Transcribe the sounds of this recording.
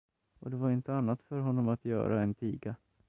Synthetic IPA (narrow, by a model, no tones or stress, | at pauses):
ɔd̪ɛvaɾɪnt̪əanːat̪fœɾɦɔnːɔmat̪jœ̰ːɾa̰ɛnt̪ʰiːɡa